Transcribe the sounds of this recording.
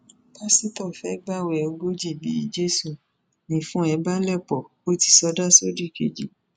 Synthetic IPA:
ba˦si˦tɔ˦˨fɛ˦ɡ͡ba˦˨wɛ˨o˧ɡo˦d͡ʒi˦˨bḭ˨˦d͡ʒe˦su˦˨ | nĩ˦fũ˦ɛ˧ba˦lɛ˦˨k͡pɔ˨ | o˦ti̥˧˨sɔ˧˦da˦so˦di˦˨kḛ˨d͡ʒḭ˨˦

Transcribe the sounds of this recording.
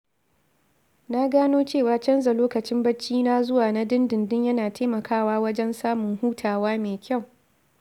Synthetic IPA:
na˦ɡaː˦noː˦t͡ʃeː˦˨waː˨t͡ʃɐ˦nza˨loː˦kɐ˨t͡ʃɪ˦mbɐ˦t͡ʃːiː˦naː˦zʊ˦waː˨na˦dɪ˦ndɪ˨ndɪ˦ɲjɐ˦naː˨tʰaː˦mɐ˨kʰaː˦waː˦wɐ˦d͡ʒɛ˦nsaː˦mʊ˨ŋhuː˦tʰaː˨waː˦meː˨kʲʰa˦˨w

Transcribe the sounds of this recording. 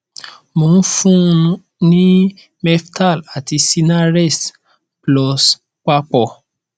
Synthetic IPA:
mo˨n̩˦fũ˦˧ũ˦ | nĩ˦ | mɛ˦fta˦˨la˨ti˧si˧na˦ɾɛ˦˨s | plɔ˧s | k͡pa˦k͡pɔ˧˨

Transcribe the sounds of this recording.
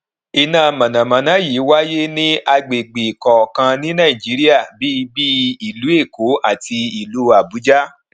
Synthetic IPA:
i˧nã˦˨mã˨nã˨mã˨nã˨˦jiː˨˦wa˦je˦nĩ˦a˧ɡ͡be˨ɡ͡be˨kɔ˨kã˧nĩ˦nãː˦˨i˨d͡ʒi˨˦ɾi˦a˦˨bi˦˧bi˦i˨lu˨˦e˦˨ko˨˦a˦˨ti˧i˨lu˨˦a˨bu˨˦d͡ʒa˦

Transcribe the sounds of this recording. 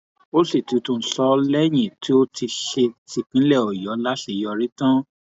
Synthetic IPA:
o˦si˦˨tu˨˧tũ˨˧˦sɔ˧lɛ˦j̃ĩ˦˨ti˦o˦ti˧ʃe˧ti˨k͡pĩ˨˦lɛ˦˨ɔ˨jɔ˨˦la˦ʃe˧˨jɔ˧ɾi˦tã˦

